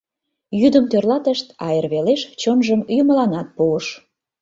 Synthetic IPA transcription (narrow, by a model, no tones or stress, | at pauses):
jyd̪əmt̪ørlɑt̪əʃt̪ɑjərβeleʃt͡ɕonʒəmjuməlɑnɑt̪̚puəʃ